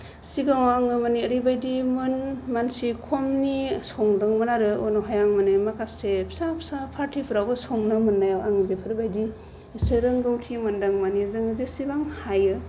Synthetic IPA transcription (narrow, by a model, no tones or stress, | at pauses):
siɡaŋaŋɯmaniəɾibajdimɯnmansikʰɔmnisɔŋdaŋmɯnaɾɯonɔɦajaŋmanɯmakʰasep̚ʰsapʰsapʰaɾtʰipʰɯɾawbɯsɔŋnamɯnːajawaŋɯbepʰɯɾbajdi | sɯɾɯŋɡawtʰimandaŋmanizɯŋɯzesibaŋhajɯ